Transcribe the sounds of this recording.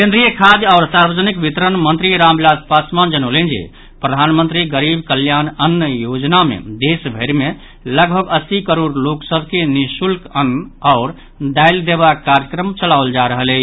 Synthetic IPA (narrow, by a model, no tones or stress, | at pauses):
kẽnd̪ɾijəkʰad̪aʊɾsaɾbəd͡ʒənikbit̪ɾənmənt̪ɾiɾamblad̪pasmand͡ʒənolend͡ʒḛ | pɾəd̪ʱanmənt̪ɾiɡəɾibkəljanənːəjod͡ʒnamḛd̪esbʱəɾme | ləɡbʱəɡəsikəɾoɾloksəbʱkenisulkənaʊɾ | d̪ajld̪eβaːaɾjəkɾəmt͡ʃəlaʊld͡ʒaɾəɦəle